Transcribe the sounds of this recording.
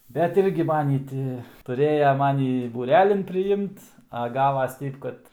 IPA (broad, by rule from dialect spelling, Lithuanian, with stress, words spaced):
bʲɛt ˈɪrʲɡʲɪ ˈmɑːnʲiː ˈtʲɪ tʊˈrʲeːjɛ ˈmɑːnʲiː buːˈrʲæːlʲɪn pʲrʲɪˈɪmt ɐ ˈɡɑːʋɐs ˈtʲɛɪp kɐt